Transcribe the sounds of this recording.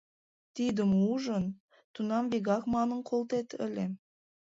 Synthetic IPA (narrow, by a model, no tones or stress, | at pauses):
t̪id̪ə̆muʒən | t̪unɑmβeɣɑkmɑnənqʰolˠt̪et̪ə̰̆lʲe